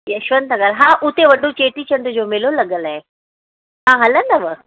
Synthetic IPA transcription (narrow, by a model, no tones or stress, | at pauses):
jɐʃʋənt̪aɡaːlɦãʔʊt̪eʋɐɗʱot͡ɕeːʈit͡ɕɐnd̪ud͡ʑoːmelolɐɠəlaɦe | ãːɦɐlə̃nd̪əʋə